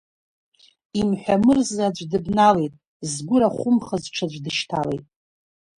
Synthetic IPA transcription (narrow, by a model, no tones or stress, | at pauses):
imħʷᶣamɨrzad͡ʒʷdɨbnalejtʼ | zɡʷʊɾaχʷʊmχazʈ͡ʂʰad͡ʒʷdɨʃtʰale̞̰jtʼ